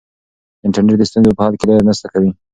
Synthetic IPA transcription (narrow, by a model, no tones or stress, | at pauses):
ɪɳʈaɾneʈ̚d̪əst̪unzepəhɑlkelajanəst̪akawi